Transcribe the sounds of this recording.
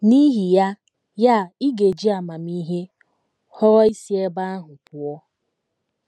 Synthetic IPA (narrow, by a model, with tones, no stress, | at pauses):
ni˦ɦi˨ja˦ | ja˦˨i˦ɡe˨d͡ʒi˦a˨ma˨mi˦ɦe˦ | hɔ˦ɣɔ˦i˦si˦e˦ba˦a˦ɦʊ˨pʊ˨ɔ˦